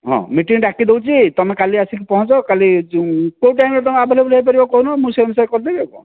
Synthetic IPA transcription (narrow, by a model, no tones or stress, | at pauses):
ɦɔ̰̃miʈiŋɖakid̪ewt͡ʃʰit̪ɔmekaliasikipɔɦɔ̃t͡ʃɔkalikowʈ̬ajmɾet̪ɔmeabʱɔleblɦejp̬aɾibakɔunɔmũseemsaɾkɔɾd̪ebebɔ̰